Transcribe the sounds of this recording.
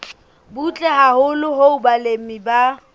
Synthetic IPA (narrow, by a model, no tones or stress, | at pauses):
but͡ɬʼɛɦahʊlʊɦoʊbalem̩miba